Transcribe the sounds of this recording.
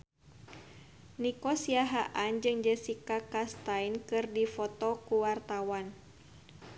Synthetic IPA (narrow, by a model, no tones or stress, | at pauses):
nikɔsiaɦaʔand͡ʒɨŋd͡ʒəsikakast̪ainkɨrdifɔt̪ɔkuwart̪awan